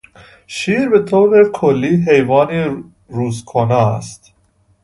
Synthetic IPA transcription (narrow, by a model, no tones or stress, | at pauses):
ʃiːɾbe̞t̪ʰoːɾekʰolːiːɦejvɒːni | ɾuːzkʰonɒːæst̪